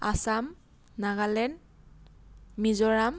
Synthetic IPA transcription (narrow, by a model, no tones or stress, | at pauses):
a̰sam | naɡalɛn | mizɔɹam